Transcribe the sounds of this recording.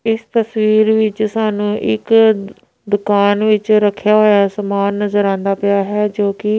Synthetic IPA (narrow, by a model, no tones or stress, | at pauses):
ɪst̪əsʋiːɾʋɪt͡ʃsaːnũːʔɪ̰k | d̪ʊkaːnʋɪt͡ʃɾəkʰːjaːɦoːjaːsəmaːnːəzəɾãːnd̪aːpɪjaːɦɛːd͡ʒoːkɪ